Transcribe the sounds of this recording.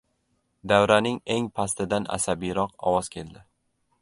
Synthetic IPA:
d̪awɾanɪŋe̞ŋpʰast̪ɪd̪ana̰sabijɾɒqɒ̰wɒz̥kʲʰe̞ld̪ɪ

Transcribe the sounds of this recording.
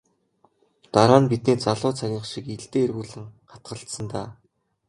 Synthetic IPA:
t̪aɾaːnpit̪̚niːt͡saɮʊːt͡sʰaɣʲiːɴχʃikiɮt̪eːrɣuːɮɘ̆ŋχḁt̪̚ɢə̆ɬt̪sə̆nt̪aː

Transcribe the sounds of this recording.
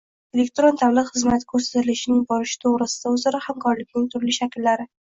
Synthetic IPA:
e̞lek̚t̪ɾont̪ʰablɪqχɨzmat̪ʰɪ̥kʰɵɾsḁt̪ɪlɪʃɪnɪŋbɒɾɪʃɪ̥t̪ʰoʁɾɪsɪ̥d̪̥aʊzaɾɒhamkʰɒɾlɪkʲnɪŋt̪ʰʊɾlɪʃakʲɪlːaɾɪ

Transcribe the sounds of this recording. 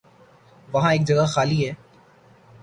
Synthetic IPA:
ʋɐɦãeːk̚d͡ʒɐɡaxaːliɦɛː

